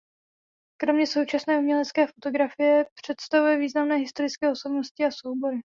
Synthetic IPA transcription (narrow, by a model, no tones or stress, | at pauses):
kɾo̞mɲɛso̞wt͡ʃasnɛːumɲɛlɛt̪t͡skɛːfot̪o̞ɡɾafɪjɛpr̝̥ɛt̪st̪avujɛviːznamnɛːɦɪst̪o̞ɾɪt͡skɛːo̞so̞bno̞scɪaso̞wbo̞ɾɪ